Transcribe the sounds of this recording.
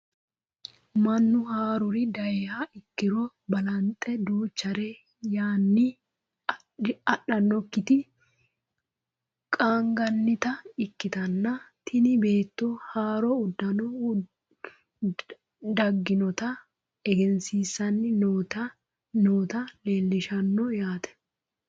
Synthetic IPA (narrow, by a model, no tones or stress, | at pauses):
mɐnːʊhaːɾʊɾɪd̪ɐɛhaɪkːɪɾɔ | bɐlɐnt̪ʼɛd̪uːt͡ʃːɐɾe | jaːnːɪ | ɐɗɐnːɔkːɪt̪ɪ | kʼaːŋɡɐnːɪt̪ɐɪkːɪt̪ɐnːɐt̪ʰɪnɪbeːt̪ːohaːɾoʊd̪ːɐnɔ | d̪ɐɡːɪnɔt̪ɐ | ɛɡɛnsiːsɐnːɪt̪ɐ | noːt̪ɐle̞ːlːɪʃɐnːɔjaːt̪ɛ̥